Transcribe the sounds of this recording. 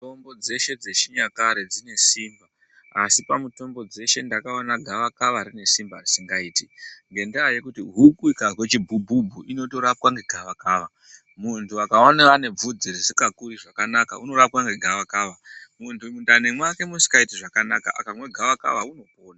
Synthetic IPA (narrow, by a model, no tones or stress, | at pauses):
tombo̞d͡ze̞ʃe̞d͡ze̞ʃiɲakaɾe̞d͡zine̞siːmba | asipamuto̞mbo̞d͡ze̞ʃe̞ndakaonaɡʱaʋakaʋaɾine̞simbarisiŋɡaiːtiŋɡe̞ndeaje̞kutiɦukuikawe̞t͡ʃibʱubʱubʱuʔino̞to̞ɾap̚kwaŋɡe̞ɡʱaʋakaːʋa | muntʰuakaonaane̞b͡vud͡zirisikakuriʐakanakauno̞ɾap̚kwaŋɡe̞ɡʱaʋakaːʋamuntumundane̞mwakemusi̥kaitiʐakanaka̰ʔa̰kamwe̞ɡʱaʋaka̰ʋauno̞poːna